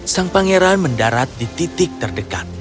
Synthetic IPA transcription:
saŋpaŋeɾanməndaɾat̪̚dit̪it̪ɪk̚t̪ərdəka̰t̪̚

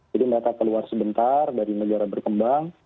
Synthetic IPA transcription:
d͡ʒadiməɾat̪akəluarsəbənt̪ardaɾinəd͡ʒaɾabərkəmbaŋ

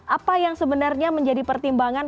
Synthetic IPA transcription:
ʔapajaŋsəbənarɲaməɲd͡ʒadipərt̪imbaŋan

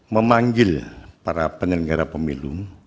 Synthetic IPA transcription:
məmaŋɡɪlpaɾapəɲəɡaɾapəmilum

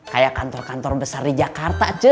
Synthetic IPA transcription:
kajakant̪ɔrkant̪ɔrbəsardid͡ʒakart̪at͡ʃə

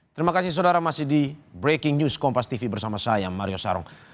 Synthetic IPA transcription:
t̪əɾimakasihs̬odaɾamasidibɾekɪŋɲuskɔmpast̪ifibərsamasajamaɾiosa̰ɾɔ̰ŋ

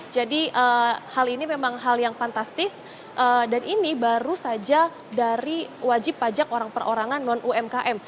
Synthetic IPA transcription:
d͡ʒadiʔəːhalinimemaŋɦaljaŋfant̪ast̪ɪs | ʔədanʔinibaɾusad͡ʒa | daɾiwad͡ʒɪpːad͡ʒakoɾaŋpərʔoɾaŋanːɔnʔuɛmkaʔɛm

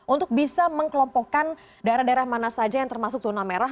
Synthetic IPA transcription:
ʔunt̪ʊk̚bisaməŋkəlɔmpɔkan | daeɾahdaeɾahmanasad͡ʒajaŋt̪ərmasʊk̚zonameɾa

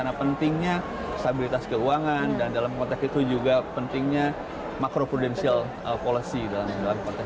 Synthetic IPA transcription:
napənt̪ɪŋɲa | st̪abilit̪askəuaŋandandalamkɔnt̪ɛksit̪ud͡ʒuɡapənt̪ɪŋɲa | makɾopɾudɛnsial | əpolisidalamdalamkɔnt̪ɛ

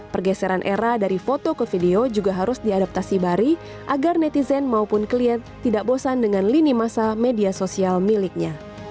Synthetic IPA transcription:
pərɡɛsɛɾanʔḛɾadaɾifot̪okəfideod͡ʒuɡaɦaɾʊsdiadap̚t̪asibaɾi | ʔaɡarnɛt̪izɛnmaupʊnkliɛnt̪ːidaʔbosandəŋanlinimasamediasosialmilɪk̚ɲa

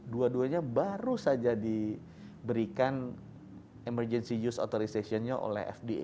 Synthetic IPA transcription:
duaduaɲabaɾusad͡ʒadi | bəɾikan | emərd͡ʒɛnsijusot̪oɾisasiɔnɲaʔo̰lɛ̰ɦɛ̰fdiḛ

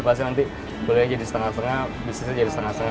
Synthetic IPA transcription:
pas̬ɪnant̪i | pəluad͡ʒadisə̥t̪əŋasəŋabisisad͡ʒadisət̪əŋast̪əŋa

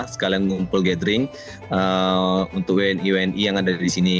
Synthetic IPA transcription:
sə̥kalaŋɡumpʊlɡɛdəɾɪŋ | əunt̪ʊk̚weɛniwɛnʔijaŋadaɾisini

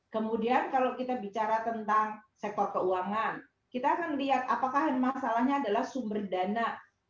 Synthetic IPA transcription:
kəmudiankalawkit̪abit͡ʃaɾat̪ənt̪aŋsɛk̚t̪ɔrkəuaŋan | kit̪aːkanliat̪̚apakaɦənmasalahɲaːdalahsumbərdana

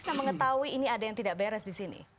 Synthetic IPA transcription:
saməŋət̪auiːniadajaŋt̪idaʔbeɾɛsdisinḭ

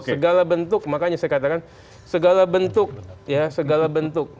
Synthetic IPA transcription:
səɡalabənt̪ʊk̚makaɲasajakat̪akan | səɡalabənt̪ʊk̚jasəɡalabənt̪ʊk̚

